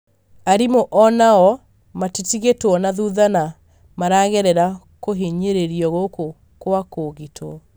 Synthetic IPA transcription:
aɾimoʔɔnaɔ | matitiɣetwɔnaðuðana | maɾaːɣɛɾɛɾa | koɦeɲeɾeɾiɔɣoko | kwakoɣitʰo

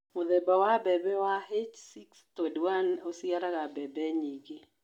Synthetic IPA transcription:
mʊðɛbawabɛbɛwahet͡ʃsikstodwanosiaɾaɣabɛbɛɲiɡe

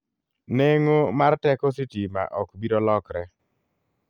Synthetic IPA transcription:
neŋomartɛkɔsitima̰ʔɔkbiɾɔlɔkɾɛ

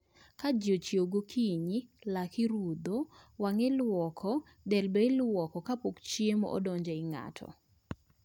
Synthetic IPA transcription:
kad͡ʒjot͡ʃjoɡokʰiɲilakɪɾud̪owaŋɛlwɔkʰɔ | dɛlbɛɪlwɔkɔkapokt͡ʃjemɔo̰dɔɲd͡ʒaɪŋa̰tʰɔ̰

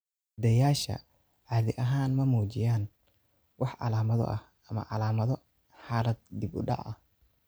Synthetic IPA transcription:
d̪ɐjaːʃɐ̰ | ʕɑːðɪʔɐɦaːnmɐmuːt͡ʃɪjaːn | wʔɑħʕɑ̰laːmɐðɔ̰ʔɐh | ʔɐmɐ̰ʕɑlaːmɐðɔ | ħaːlɐd̪̚d̪ibʊ̰ɖɑ̰ʕɐh

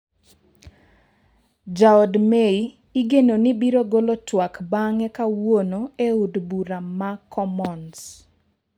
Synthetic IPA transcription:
d͡ʒaɔdmei | iɡenonibiɾoɡolotwakbaŋɛkawonoeudbuɾamakʰɔmɔns

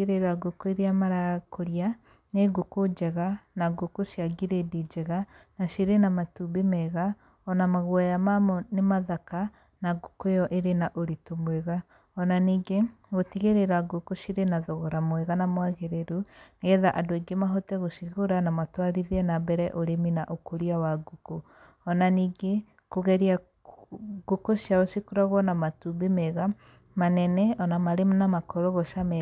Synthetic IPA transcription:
eɾeɾaɡokoeɾiamaɾakoɾja | neɡokod͡ʒɛɣanaɡokoʃiaɡiɾedid͡ʒɛɣanaʃiɾenamatubemɛɣa | ɔnamaɣwajamamɔnemaðaka | naɡokojɔʔeɾenaʔoɾitomweɣa | ɔnaniːɡe | ɣotiɣeɾeɾaɡukoʃiɾenaðoɣɔɾamwɛɣanamwaɣeɾeɾunɛðaʔadoeɡemaɦotɛɣoʃiɣoɾanamatwaɾiðɛnabɛɾɛʔoɾeminaʔokoɾiawaɡuko | ɔnaniːɡe | koɣɛɾia | ɡukoʃiaosikuɾaɣɔnamatumbemɛɣa | manɛnɛɔnamaɾemnamakɔɾoɣɔʃamɛ

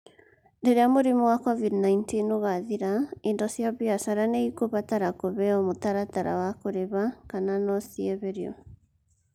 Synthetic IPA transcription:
ndeɾeamoɾimɔwakɔvidnaintinoɣaðiɾaendɔsjaβiasaɾaneikoβataɾakoβɛɔmotaɾataɾa̰wakoɾeβakananɔsiɛβeɾḛɔ̰

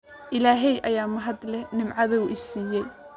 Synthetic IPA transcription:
ʔɪlaːɦɛjʔɐjaːmɐɦɐd̪lɛnɪmʕɑðɐuʔɪsiːjɛj

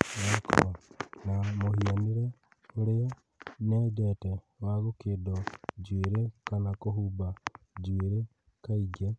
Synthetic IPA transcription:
nakʰo̰namohianiɾe | oɾe | ned͡ʒete | waɣokedod͡ʒweɾekanakoɦubad͡ʒweɾe | kaiɡe

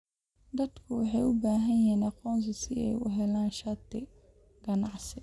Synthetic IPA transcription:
d̪ɐd̪kʰʊwɑħɑjʊbaːɦɐjɛːnɑqɔːns̬ɐsɪɛ̰jʊ̰ɦɛlaːnʃɐt̪ɪ | ɡ̥ɐnɑʕsɪ

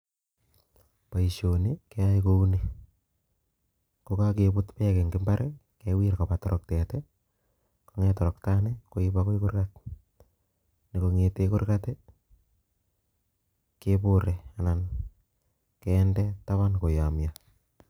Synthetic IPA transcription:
paiʃonikeaikouni | kokakebʊtpɛkeŋɡɪmbaɾʔe | kewirkapatɔɾʔɔk̚tete | koŋɛtɔɾɔktanekoibakoikʊrkat̚ | nikoŋetekʊrkate | kepʊɾeanan | kɛːndɛtaβankojamja

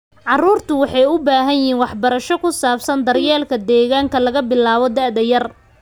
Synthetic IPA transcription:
ʕɑruːrt̪ʰʊwɑħɑjʊbaːɦɐnjɪɦiːnwɑħbɐɾɐʃɔkʰʊsaːfsɐnd̪ɐrjɛːlkʰɐd̪ɛːɣaːŋkʰɐlɐɣɐbɪlaːβɔd̪aʕd̪ɐjɐr

